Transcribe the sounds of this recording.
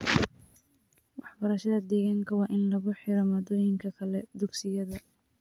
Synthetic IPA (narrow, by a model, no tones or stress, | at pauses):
wɑħbɐɾɐʃɐðɐd̪ɛːɣaːŋkʰɐwɑːʔɪnlɐɣʊħɪɾɔmɐːd̪ɔːjɪŋkʰɐkʰɐlɛd̪ʊɡsɪjɐðɐ